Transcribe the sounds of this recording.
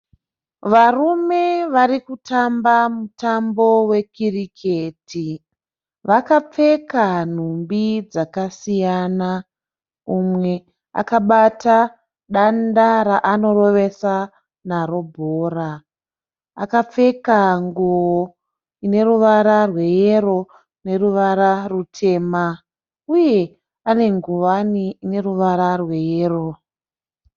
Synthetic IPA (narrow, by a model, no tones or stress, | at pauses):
ʋarume̞ʋaɾikutambamutambo̞we̞kirikʰeːtʰi | ʋakap͡fe̞kan̤umbid͡zakasijana | umwe̞ | a̰kaɓata | ɗandaɾaʔano̞ro̞ʋe̞sa | naɾo̞bʱoːɾa | a̰kap͡fe̞kaŋɡuo | ine̞ruʋaɾarwe̞jeɾo̞ | ne̞ruʋaɾarutʰe̞ːma | uje̞ | ane̞ŋɡuʋaniːne̞ruʋaɾarwe̞jeːro̞